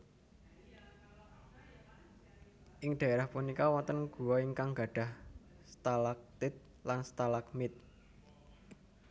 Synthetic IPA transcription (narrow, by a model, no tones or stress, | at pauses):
ʔɪŋɖ̪̥ä̤eɾahpunikawɔnt̪ənɡ̥ṳwɔiŋkaŋɡa̤ɖ̥a̤h | st̪alak̚t̪ɪt̪̚ | lanst̪alakmɪt̪̚